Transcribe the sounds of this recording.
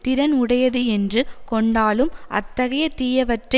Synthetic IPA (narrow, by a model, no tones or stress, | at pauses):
t̪ɪɾɐnʊɽɐjɐðɯɛndrɯkɔɳɖaːɭɯmʔɐ̰t̪ːɐɣɐjɐt̪iːjɐʋɐʈrɐ